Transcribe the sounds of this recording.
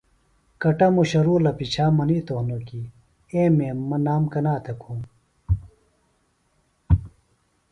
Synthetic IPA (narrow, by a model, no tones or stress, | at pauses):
kɐʈɐmuɕɐɾuːlɐpit͡ɕʰaːmɐniːt̪ohnoki | ẽːmeːmːɐnaːmkɐnaːt̪ʰɐkʰu